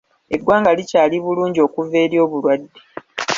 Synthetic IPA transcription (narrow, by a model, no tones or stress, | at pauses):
e̞ɡwaːŋɡalicaːliβuluːɲɟio̞ːkuve̞ːɾjo̞ːβulwadːe̞